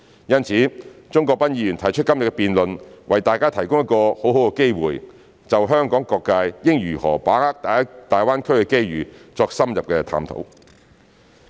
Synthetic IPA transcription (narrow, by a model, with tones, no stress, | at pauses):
jɐ˥nt͡sʰiː˨˥t͡ʃʊ˥ŋkɔː˧k̚pɐ˥njiː˨˧jyː˨˩nt̪ʰɐ˨˩jt͡ʃʰɵ˥t̚kːɐ˥mjɐ˨tkɛ˧piː˨nlɵ˨nwɐ˨jt̪aː˨jkaː˥t̪ʰɐ˨˩jkʊ˥ŋjɐ˥t̚kɔː˧ho˨˥wɦho˨˥wkɛ˧ke˥jwṵː˨j | t͡sɐ˨wɦœː˥ŋkɔː˨˥ŋkɔː˧kːaː˧jjɪ˥ŋjyː˨˩hɔ̰ː˨˩paː˨˥ŋhaː˥k̚t̪aː˨˥t̪aː˨˩jwaː˥nkʰɵ˥ɥkɛ˧ke˥jɥyː˨˩t͡sɔː˧k̚sɐ˥mjɐ˨p̚kɛː˧t̪ʰa̰ː˧mt̪ʰo̰˨˥w